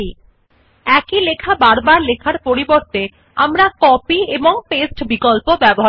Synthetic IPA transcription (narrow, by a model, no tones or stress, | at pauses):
i | ɛkilekʰabaɾbaɾlekʰaɾpoɾiboɾt̪e | amɾakɔpieboŋpesʈbikolpobɛboɦa